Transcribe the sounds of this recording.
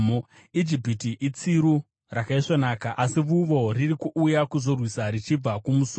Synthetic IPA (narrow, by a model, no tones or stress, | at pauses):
id͡ʒipitiʔit͡siɾu | rakaiʂonaːkaʔasiʋuʋo̞ririkuʔːjakuzo̞rwisaɾit͡ʃib͡vakumus